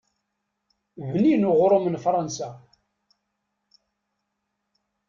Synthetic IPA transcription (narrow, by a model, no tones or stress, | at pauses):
vninʊʁɾˤomənfɾˤɑnsa